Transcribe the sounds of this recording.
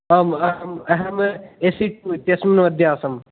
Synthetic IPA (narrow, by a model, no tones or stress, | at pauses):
ɐmɐɦɐmɐɦɐmesiʈuːit̪jɐsminʋɐd̪ʱjaːsɐm